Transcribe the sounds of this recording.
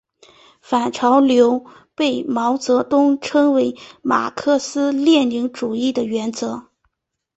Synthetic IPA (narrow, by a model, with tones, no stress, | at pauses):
fa˨˩nʈ͡ʂʰɑ˧˥ʊljo˧˥ʊ | pe˥˩ɪmɑ˧˥ʊt͡sɤ˧˥t̪ʊ˥ŋʈ͡ʂʰɤ˥ŋwe˧˥ɪma̰˨˩kʰɤ˥˧sɹ̩˥ljɛ˥˩nli˧˥ŋʈ͡ʂu˨˩i˥˩d̪ə˩ɥɛ˧˥nt͡sɤ˧˥